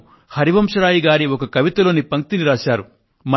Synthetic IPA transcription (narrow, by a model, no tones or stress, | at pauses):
hɐɾiʋɐmʂɐɾaːjiɡaːɾiɔkɐkɐʋit̪ɐloːnipɐŋk̚t̪iniɾaːʃaːɾu | mɐ